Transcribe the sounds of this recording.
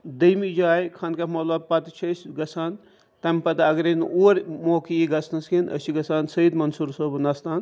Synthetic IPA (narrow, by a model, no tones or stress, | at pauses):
d̪ɐjmid͡ʒaːjkʰɐnkɐmɐlɐb̚pɐt̪t͡ʃʰɐsɡɐsʰaːn | t̪ɐmpɐt̪ɐɡɾenoːɾʲmoːkiiɡɐsnɐskinʔɐ̰siɡɐsaːnsɐid̪mɐnsuɾsobnɐst̪aːn